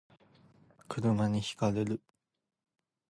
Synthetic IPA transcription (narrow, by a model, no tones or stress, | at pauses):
kɯ̟ɾɯ̟maɲ̟içi̥kaɾe̞ɾɯ̟